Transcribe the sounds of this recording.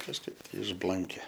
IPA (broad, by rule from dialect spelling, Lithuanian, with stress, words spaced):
kɐʃˈkɐɪp tɐɪ ɪʒˈblˠɐŋʲkʲɛ